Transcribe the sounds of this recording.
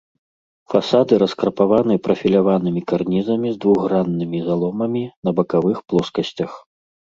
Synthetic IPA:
fasad̪ɨɾɐskɾpavanɨpɾɐfʲilʲavanɨmʲikarnʲizɐmʲizd̪vuɣranːɨmʲizalˠɔmɐmʲinɐbɐkavɨxplˠɔskɐsʲt͡sʲɐx

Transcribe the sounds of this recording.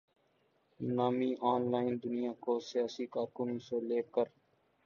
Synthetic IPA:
naːmiːʔaːnlaːɪnd̪ʊnijaːkoːsɪjaːsikaːɾkʊnõseːleːkəɾ

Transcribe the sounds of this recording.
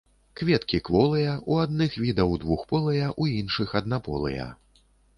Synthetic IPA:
kvʲɛt̪kʲikvɔlˠɐjɐuad̪nɨxvʲid̪ɐwd̪vuxpɔlˠɨjɐʔuinʂɨxɐd̪napɔ̰lˠɨ̰jɐ̰

